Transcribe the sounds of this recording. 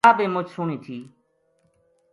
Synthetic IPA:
aːbeːmʊt͡ʃʰsʊɳ̃ĩːt̪ʰiː

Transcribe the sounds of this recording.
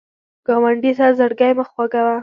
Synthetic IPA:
ɡ̥ɑwaɳɖit̪azəɽɡɑjməxwaɡawa

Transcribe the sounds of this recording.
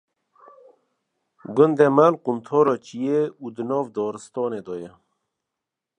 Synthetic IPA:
ɡʊnd̪emalqumt̪ʰoːɾot͡ɕijeud̪ənoːvd̪ɔːɾəst̪oːned̪oje

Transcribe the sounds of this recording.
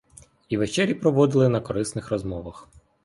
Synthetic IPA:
iʋet͡ʃɛɾʲipɾɔʋɔd̪ɪlˠɪnɐkɔɾɪsnɪxɾɔzmɔʋɐx

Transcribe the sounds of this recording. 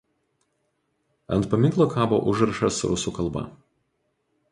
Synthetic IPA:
ɐ̰nt̪̚pɐmʲɪŋklˠoːkʰɑːbo̰ːʔʊʒɾɐʃɐsɾʊ̰suːkɐlˠbɐ̰

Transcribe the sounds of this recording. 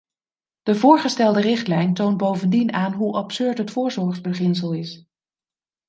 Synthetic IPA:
d̥əvʊːɹχəstɛlˠdərɪχtlɛjntownt̚bowvəndinaːnɦuʔɑpsɵɹtɦətfʊːɹzɔɹχzbəχɪns̬əlˠɪs

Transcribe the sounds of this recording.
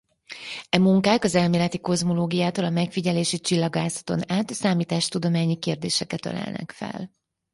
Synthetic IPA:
ɛmuŋkaːkɒzɛlmeːlɛt̪iko̞zmo̞loːɡijaːt̪olɒmɛkfiɟɛleːʃit͡ʃilːɒɡaːzɒ̥t̪o̞̰naːt̪saːmiːt̪aːʃt̪ud̪o̞maːɲikeːrd̪ḛːʃɛkɛt̪ɒ̰la̰ːlnɛ̰kfɛ̰l

